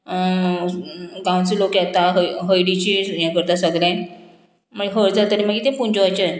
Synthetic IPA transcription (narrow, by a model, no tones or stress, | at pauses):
ɡãw̃t͡səlokjat̪aɦəɦəjɽit͡ɕijãkəɾt̪asəɡljɛ̃ | məlɦəɾd͡zat̪əɾimaɡit̪efund͡ʑoʋajt͡ɕə